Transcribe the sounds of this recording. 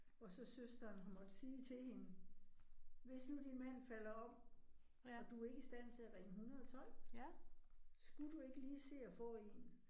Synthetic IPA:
ɒ̽sɒ̽søsd̥ɐːnɦæmɒ̽d̥əsiːt͡sʰe̝lhe̝nə | ʋe̝snud̥inmæn̰fælɐɒ̽b̥ | ɒ̽d̥ue̝ɡ̥isd̥æn̰t͡sʰe̝æʁeŋəɦunɐðˠɒt͡sʰɒ̽l̰ | sɡ̥ud̥ue̝ɡ̥əliːse̝̰ːɒfɔ̰̽ːe̝n

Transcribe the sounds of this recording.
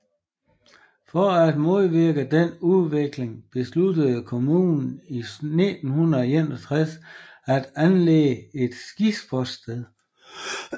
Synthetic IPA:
fɒæd̥mo̝ð̞ˠʋiɐɡ̥əd̥enuðˠʋe̝ɡ̥le̝ŋb̥e̝slud̥əð̩ˠkʰo̝muːnn̩ined̥n̩hunɐenɒt͡sʰʁas | æd̥ænlḛːəe̝d̥sɡ̥isb̥ɒd̥sd̥eðˠ

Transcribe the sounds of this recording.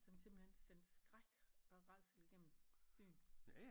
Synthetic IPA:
sɒ̽mse̝mb̥l̩hen̰send̥sɡ̥ʁaɡ̥ɒ̽ʁɑ̈ɪ̰s̩iɡ̥em̰m̩b̥y̰ːn

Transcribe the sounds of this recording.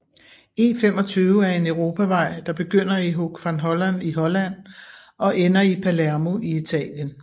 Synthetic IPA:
ḛfem̰ɒt͡sʰyːʊəæɐe̝nøʊʁo̝ːpʰæʋɑ̈ɪ̰d̥ɑ̈b̥e̝ɡ̥øn̰ɐiɦoɡ̥fænɦɒ̽læniɦɒ̽læn̰ | ɒ̽ʔenɐipʰælæɐmo̝ʔiit͡sʰɛ̰ːljən

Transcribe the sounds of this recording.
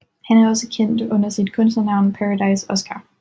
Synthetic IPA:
hænwɒsəkʰen̰d̥ɔn̰ɐsidkʰɔnsɐnäʊnpʰæɹadɑ̈ɪsɔskʰɑ̰

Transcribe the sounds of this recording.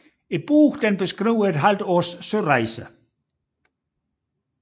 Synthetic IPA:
e̝d̚b̥uːɡ̥d̥enb̥e̝sɡ̥ʁiʊ̰ed̥ɦæld̥ɔːsːøʁɑɪsə

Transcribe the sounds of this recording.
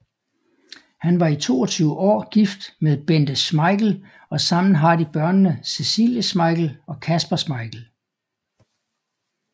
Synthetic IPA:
hænʋɑ̈it͡sʰo̝̰ːɒ̽t͡sʰyːʊəʔɒ̰ːɡ̥ifd̥meðˠb̥end̥əsmɑ̈ɪɡ̥l̩ | ɒ̽sɑ̈m̰n̩ɦɑ̈d̥ib̥ɶɐnːəsesḭljəsmɑ̈ɪɡ̥l̩ɒ̽kʰæsb̥ɐsmɑ̈ɪɡ̥l̩

